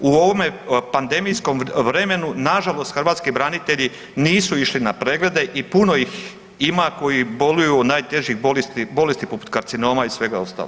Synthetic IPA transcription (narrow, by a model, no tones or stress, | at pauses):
uo̞ʋo̞mepand̪e̞mijsko̞mʋɾe̞me̞nunaʒalo̞st̪xəɾʋaːt̪skibɾanit̪e̞ʎi | niːsuiʃlinapɾe̞ːɡle̞d̪e̞ʔipuno̞jix | imako̞jibo̞lujunaːjt̪e̞ʒjixbolest̪ibo̞lest̪ipopu̥t̪kaɾt̪sino̞ːmaisʋe̞ɡao̞st̪a̰l